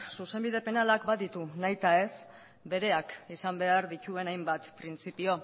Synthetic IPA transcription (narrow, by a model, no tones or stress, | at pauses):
suse̞mbiðe̞pe̞nalakbaðit̪unajt̪ae̞s | be̞ɾe̞akisambe̞aɾðit͡ʃue̞najmbat̪pɾint͡sipio̞